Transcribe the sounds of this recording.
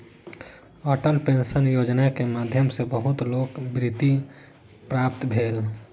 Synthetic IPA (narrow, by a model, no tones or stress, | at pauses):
ɔːʈəlpenʃənjoːd͡ʒnakemaːd̪ʱjəmsebəɦut̪loːkbɾit̪i | pɾaːp̚t̪bʱeːl